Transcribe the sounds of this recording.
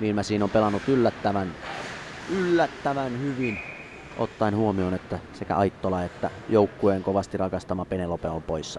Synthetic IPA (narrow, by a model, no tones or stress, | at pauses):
miilmæsiːnompelɑnːut̪ylːæt̪ːæʋæn | ylːæt̪ːæʋænhyʋin | ʔo̰t̪ːɑinhuomionet̪ːæsekæ̰ɑit̪ːolɑet̪ːæjoˑukːueːŋkoʋɑst̪irɑkɑst̪ɑmɑpenelopeompoisːɑ